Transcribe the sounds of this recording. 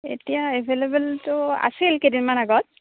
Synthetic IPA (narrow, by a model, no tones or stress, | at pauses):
ḛtijaebʱelebɛltʊa̰silkedinmanaɡɔt̚